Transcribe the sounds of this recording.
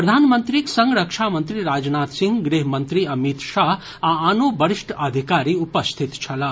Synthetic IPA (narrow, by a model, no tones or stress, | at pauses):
pɾɐd̪ʱaːnmənt̪ɾiksɐ̃ŋɡɾɐkʃʰamənt̪ɾiɾaːd͡ʒnaːt̪sĩŋɡɡɾiɦmənt̪ɾiɐmit̪ʃaɦ | aaːnobɐɾiʂʈʰəd̪ʱikaːɾiupɐst̪ʰit̪t͡ʃʰɐla